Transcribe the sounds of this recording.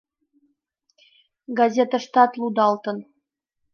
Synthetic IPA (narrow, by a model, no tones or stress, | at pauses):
ɡɑzʲet̪əʃt̪ɑt̪lˠud̪ɑlˠt̪ə̆n